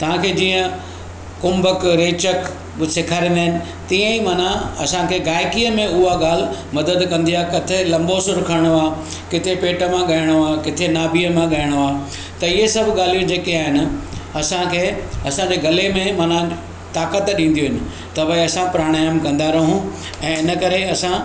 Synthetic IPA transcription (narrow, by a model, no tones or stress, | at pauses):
t̪ɐʋ̤ãkʰeːd͡ʑiːə̃ | kʊmbəkɾeːt͡ɕək | sɪkʰaːɾĩːnd̪aːɦɪnɪ̆ | t̪iə̃imɐnãɐsãkʰeːɡaːɪkiːəmẽʊɦaɠaːl̤ɪmɐd̪əd̪kɐ̃nd̪iaːkɐt̪ʰelɐ̃mbosʊɾʊkʰəɽ̃oaː | kɪt̪ʰepeːʈə̆mãɠɐjəɽ̃oaːkɪt̪ʰenaːbiəmãɠajɪəɽ̃oaː | t̪ɐɪɦesɐbʱɠaːl̤ijũd͡ʑeːkeaːɦɪnɪ̆ɐsãkʰeːɐsãd͡ʑeːɡɐlemẽmɐnã | t̪aːkət̪ɗĩːn̆d̪ijuɦɪnɪ̆ | t̪ɐbɐɐsãpɾaːɽ̃aːjəmkɐ̃nd̪aːɾɐɦũ | ɛ̃ːɪnəkɐɾeɐsã